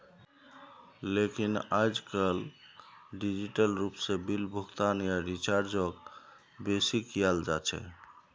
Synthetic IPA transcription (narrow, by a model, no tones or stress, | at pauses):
lekinad͡ʒkəl | ɖid͡ʒiʈəlɾupsebilbʱuɡt̪anjaɾit͡ʃaɾd͡ʒɔk | besikjald͡ʒat͡ʃʰɛ̰